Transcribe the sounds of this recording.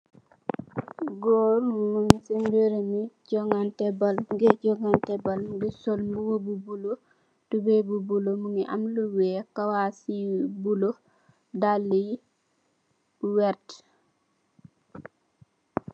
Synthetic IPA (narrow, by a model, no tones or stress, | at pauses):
ɡoɾmuŋisinbeɾemicɔŋɡantɛbalɡɛɟɔŋantɛbalɡisolmbuwobubulo | tubɛbubulomuŋiʔa̰mluwɛkawasibulo | dalːi | wɛɾt